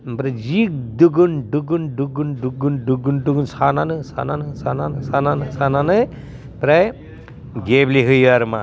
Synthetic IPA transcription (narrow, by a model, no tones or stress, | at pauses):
bɾɐd͡ʒik̚d̪uɡunɖuɡunɖuɡunɖuɡunɖuɡunɖuɡunsʰananɯsʰa̰nanɯsʰananɨsʰananɨsʰananɯj | pɾaj | ɡebliɦɯjaɾma̰